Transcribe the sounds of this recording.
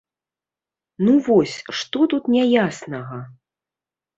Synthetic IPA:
nuvɔsʲʂt̪ɔt̪ut̪nʲɛjasnɐɣɐ

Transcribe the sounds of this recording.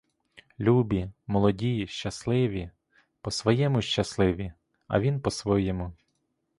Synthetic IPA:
lʲubʲimɔlˠɔdʲijʃt͡ʃɐslˠɪʋʲi | pɔsʋɔjɛmʊʃt͡ʃɐslˠɪʋʲi | ɐ̰ʋʲinpɔsʋɔjɛmʊ

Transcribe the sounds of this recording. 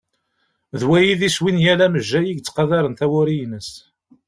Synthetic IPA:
ðwæjiðiswinjælæməʒːæjiɡt͡sːqɑðɑɾənθæwʊɾijnəs

